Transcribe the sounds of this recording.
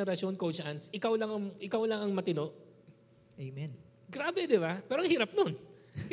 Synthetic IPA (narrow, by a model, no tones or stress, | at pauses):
ɛɾɐʃo̞nkowt͡ʃʔansʔɪkawlɐŋɐŋʔɪkawlɐŋɐŋmɐt̪ɪnoʔ | ʔejmɛn | ɡɾaːbɛd̪ɪbapɛːɾohiːɾɐp̚non